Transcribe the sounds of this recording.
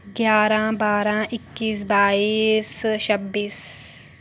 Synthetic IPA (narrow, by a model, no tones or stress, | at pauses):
ɡjaːɾãbaːɾãʔɪkːiːs̬baːiːst͡ʃɐbːiːs